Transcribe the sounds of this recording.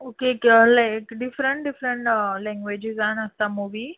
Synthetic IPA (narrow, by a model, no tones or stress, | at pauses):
okeklaɪkɖɪfɾə̃ɳʈɖɪfɾə̃ɳʈəlɛ̃ŋɡʋeːd͡ʒɪzanɐsãmuʋi